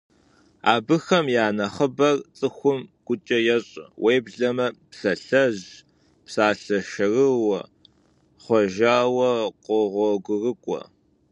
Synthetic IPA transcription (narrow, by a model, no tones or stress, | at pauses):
a̰ːbɨxɐmjaːnɐχəbɐrt͡sʼɨxʷʊmɡ̥ʷʊt͡ʃʼɐjɛɕʼwʔejbɮɐmɐpɬɐɬɐʑ | psaːɬɐʃɐrɨwɐ | χʷɔʒaːwɐqʷɔʁʷɔɡʷʊrɨkʷʼɔ̰